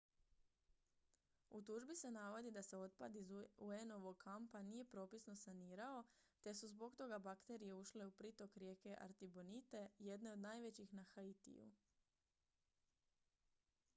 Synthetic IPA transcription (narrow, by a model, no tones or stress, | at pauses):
ut̪uːʒbise̞naʋo̞d̪id̪ase̞o̞t̪̚pa̰d̪izueno̞ʋo̞ɡkʰampanije̞pɾo̞ːpisno̞saniːɾao̞t̪e̞suzbo̞ɡt̪o̞ɡabakt̪e̞ɾije̞uʃle̞upɾit̪o̞kɾje̞ke̞ʔa̰ɾt̪ibo̞nit̪e̞je̞d̪ne̞o̞d̪najʋe̞t͡ɕixnaxait̪ḭjṵ